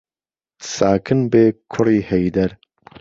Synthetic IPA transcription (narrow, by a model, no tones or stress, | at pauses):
saːkʰɨnbeːkʰʊɾiːhejd̪ɐɾ